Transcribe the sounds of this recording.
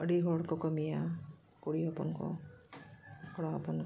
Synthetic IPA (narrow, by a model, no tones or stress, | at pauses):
əɽiɦɔɽkɔkɔmija | kuɽiɦɔpɔ̰nkɔ̰ | kɔɽaɦɔpɔnk